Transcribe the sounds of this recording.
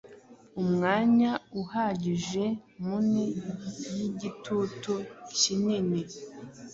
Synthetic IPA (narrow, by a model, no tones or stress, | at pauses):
umŋaːɲauhaɟiʒe̞munijiɟitʰutucinini